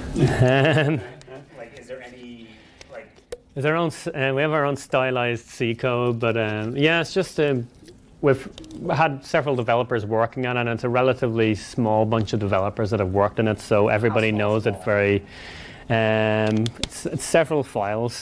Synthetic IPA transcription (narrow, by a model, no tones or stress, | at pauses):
ʌ̃m | əzə˞õʊ̃nsʌwiəvə˞õʊ̃nstaɪlaɪzd̥sikʰoʊbʌtʌ̃mjæɪtsd̥ʒ̥ʌstʌ̃m | wiv̥əd̚sɛvɹəlˠdəvɛlˠəpə˞zwɜ˞kɪ̃ŋə̃nə̃nɪtsəɹɛlˠəɾɪvlismɔːlˠbʌ̃nt͡ʃʌvdɨvɛlˠəpə˞zðət̚həvwɜ˞k̚tɨ̃nɪtsoʊʔɛ̰vɹibɑɾinoʊzɨtv̥ɛɹi | ʌ̃mɪtsɪtsɛvɹəl̩ˠfaɪlˠz̥